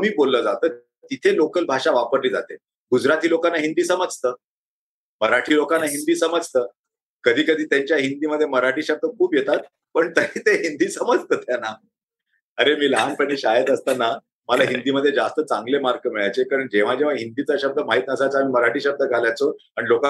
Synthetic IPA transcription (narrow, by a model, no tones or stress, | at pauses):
miːbolːəːd͡zat̪əː | t̪it̪ʰelokəlbʱaʂaʋapəɾliːd͡za̰t̪e | ɡud͡zɾat̪ʰiːlokanːaɦind̪iːsəməd͡zʱt̪əː | məɾaʈʰiːlokanːaɦind̪iːsəməd͡zʱt̪əː | kəd̪ʱiːkəd̪ʱiːt̪jaɲt͡ɕjaɦind̪iːməd̪ʱːjeməɾaʈʰiːɕəb̚d̪əkʰuːpjet̪at̪ | pəɳt̪əɦiːt̪eɦind̪iːsəməd͡zt̪əːt̪janːa | əɾemiːlaanpəɳiɕajət̪əst̪ana | məlaɦind̪iːməd̪ʱːjed͡zast̪ət͡sãŋɡlemaɾkəmiɭajt͡sekaɾəɳd͡ʑeʋ̤ad͡ʑeʋ̤aɦind̪iːt͡səɕəb̚d̪ʱəmaɦit̪̚nəsat͡səamiːməɾaʈʰiːɕəb̚d̪əɡʱaljat͡so | aniloka